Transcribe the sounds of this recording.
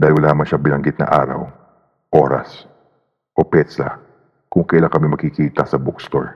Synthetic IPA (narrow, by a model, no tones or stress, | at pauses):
d̪aːɪlwɐlaːmɐŋʃɐŋbɪnɐŋɡɪt̪̚nɐ̰ʔa̰ːɾɐ̰w | ʔoːɾɐ̰s | ʔopɛt̪sɐ̰ | kʊŋkɐjlaŋkɐmɪmɐɡkɪkiːt̪ɐsɐbʊkst̪o̰ɹ